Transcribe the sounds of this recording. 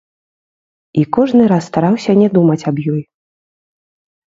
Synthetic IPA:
ikɔʐnɨɾasːt̪aɾawsʲɐnʲɛd̪umɐt͡sʲabjɔj

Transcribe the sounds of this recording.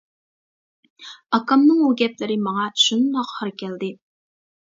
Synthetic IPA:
ɑkɑmnɨŋuɡʲɛplɪɾɪmɑŋɑʃund̪ɑqhəɾkʲʰɛld̪ɪ

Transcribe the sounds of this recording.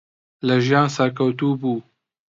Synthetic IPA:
laʒɑ̃ːsaɾkawt̪uːbu

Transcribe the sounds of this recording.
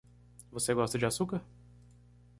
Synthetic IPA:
voseɡɔst̪ɐd͡ʒɪasukɐ

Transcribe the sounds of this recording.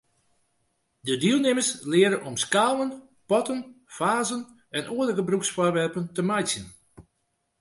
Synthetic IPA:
dədiəlˠnɪmərslɪəɾəʔɔmskaːʋən | pɔtən | faːzən | ɛnʔoədəɣəbruksfɔrʋɛrpəntəmajsjən

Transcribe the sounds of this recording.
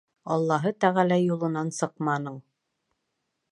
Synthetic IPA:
ɑlˠːɑɦɤt̪æʁælæjulˠɤ̆nɑnsɤqmɑnɤɴ

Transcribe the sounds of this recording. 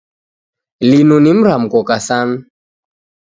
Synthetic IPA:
linunim̩ɾam̩kɔkasan̩

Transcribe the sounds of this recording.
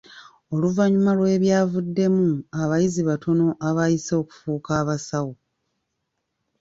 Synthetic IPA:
o̞luvaɲumalwe̞ːβjaːvudːe̞muaβajiziβatʰo̞no̞ʔaβajiso̞ːku̥fuːkaːβasawo

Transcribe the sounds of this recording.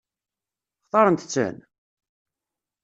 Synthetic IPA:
χθˤɑɾˤənt̪ət͡sːə̰n

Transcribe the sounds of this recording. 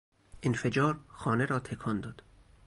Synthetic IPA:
ʔenfed͡ʒɒːɾxɒːne̞ɾɒːt̪ʰekʰɒːnd̪ɒːd̪̥

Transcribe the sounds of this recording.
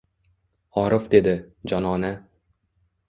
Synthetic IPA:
ɒɾɨfd̪e̞d̪ɪd͡ʒɒnɒna

